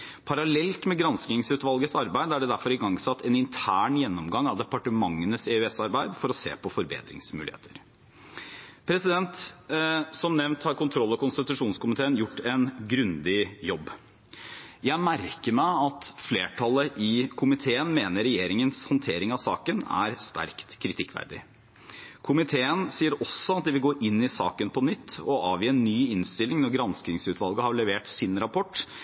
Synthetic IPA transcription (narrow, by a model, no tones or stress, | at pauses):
pʰɑɾɑlɛlt̪mɛɡɾɑnsknɪŋsʉːt̪ʋɑlˠɡəsɑɾbæɪd̪əæɖɛd̪æɾfɔɾɪɡɑŋsɑt̪ːɛnɪnt̪ʰæːɳjɛnːɔmɡɑŋːɑʋd̪ɛpɑʈəmɑŋːənəsɛʉɛsɑɾbæɪd̪fɔɾɔsḛːpʰɔfɔɾbḛːd̪ɾɪ̰ŋsmʉ̰ːlɪhḛːt̪ʰəɾ | pʰɾɛsɪd̪ɛnt̪ | sɔmnɛʋnt̪hɑɾkʊnt̪ʰɾɔlːɔkʊnst̪ɪt̪ʉʂuːnskʊmɪt̪ʰeːənjʊʈːɛnɡɾʉnd̪ɪjɔbː | jæɪmæɾkəɾmæɪɑt̪fleːʈʰɑləʔɪkʰʊmɪt̪ʰeːənmeːnəɾːɛjeːɾɪŋənshɑnt̪ʰeːɾɪŋɑʋsɑ̰ːkənæ̰ɾst̪æ̰ɾkt̪kʰɾɪt̪ʰɪkːʰʋæ̰ɾd̪ɪ̰ | kʰʊmɪt̪ʰeːənsiːəɾɔsːɔɑt̪̚d̪ɛʋɪlɡoːʔɪnːɪsɑ̰ːkənpʰɔnʏt̪ʰːɔʔɑːʋjiːɛnːyːɪnst̪ɪlɪŋnɔɾɡɾɑnsknɪŋsʉːt̪ʋɑlˠɡəhɑɾɭɛʋeːʈsɪnɾɑpʰɔʈː